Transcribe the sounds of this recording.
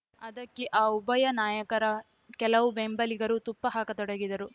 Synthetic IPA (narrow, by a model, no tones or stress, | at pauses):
ɐd̪ɐkːeʔaːubɐjɐnaːjɐkɐɾɐ | kɛlɐʋubembɐliɡɐɾut̪upːɐɦaːkɐt̪ɔɽɐɡid̪ɐɾu